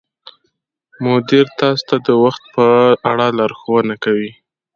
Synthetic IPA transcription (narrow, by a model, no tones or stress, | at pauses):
mʊd̪ɪɾt̪ɑst̪ad̪əwaxt̪̚pəaɽalɑɾxowənakawi